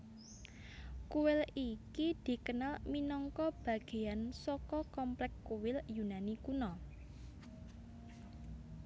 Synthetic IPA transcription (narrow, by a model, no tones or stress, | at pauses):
kuwɪlikid̪̥i̤kənalminɔŋkɔb̥ä̤ɡ̥e̤ansɔkɔkɔmplɛkːuwɪljunanikunɔ